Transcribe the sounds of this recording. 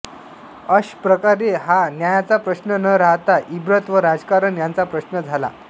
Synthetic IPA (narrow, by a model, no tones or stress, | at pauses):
əɕpɾəkaɾeɦanjajat͡sapɾəɕnənəɾaɦt̪aʔibɾət̪ʋəɾad͡zkaɾənjant͡sapɾəɕnəd͡zʱala̰